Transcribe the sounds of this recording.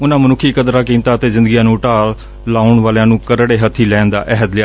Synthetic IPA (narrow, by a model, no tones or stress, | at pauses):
ʊnãːmənʊkʰiːkəd̪ɾaːk̬ĩːmt̪aːt̪eːzɪnd̪ɡiãːnũːʈaːl | laːʊɳʋaːljãːnũːkəɾɽeːɦət̪ʰːiːlɛːnd̪a̰ːʔɛɦəd̪lɪjaː